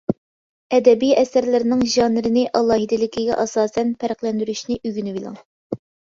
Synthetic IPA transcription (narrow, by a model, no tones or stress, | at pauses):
ɛd̪ɛbijɛsæɾlɪɾɪnɪŋʒɑːnɪɾɪnɪʔɑlˠɑːɦid̪ɪlɪkʲʰiɡʲɛ̰ʔɑsɑːsɛnpʰæɾqlˠɛnd̪yɾyʃnɪʔyɡʲynɪwilˠɑ̰ŋ